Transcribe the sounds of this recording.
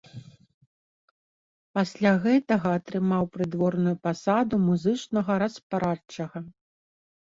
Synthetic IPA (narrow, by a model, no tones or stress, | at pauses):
pasʲlʲaɣɛt̪ɐɣɐːt̪ɾɨmawpɾɨd̪vɔrnujupasad̪umuzɨt͡ʂnɐɣɐɾɐspɾat͡ʂɐɣɐ